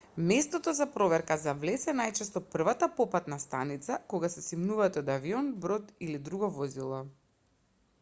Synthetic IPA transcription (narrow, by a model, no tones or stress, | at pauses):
mɛst̪ɔt̪ɔzapɾɔvɛɾkazavlɛsɛnajt͡ʃɛst̪ɔpr̩vat̪apɔpat̪nast̪anit̪sakoɡasɛsimnuvat̪ɛɔd̪aviɔnbɾɔt̪ilid̪ɾuɡɔvɔzilˠɔ